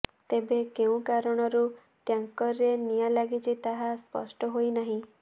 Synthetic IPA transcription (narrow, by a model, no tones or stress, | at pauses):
t̪ebekeũkaɾɔɽ̃ɔɾu | ʈjaŋkɔɾːenijalaɡit͡ʃʰit̪aɦaspɔ̰sʈɔɦojnaɦĩ